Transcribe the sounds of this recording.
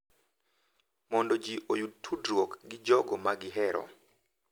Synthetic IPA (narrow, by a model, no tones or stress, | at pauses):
mɔndɔd͡ʒiʔojud̚tʰudɾwɔkɡɪd͡ʒɔɡɔmaɡɪɦɛɾɔ̰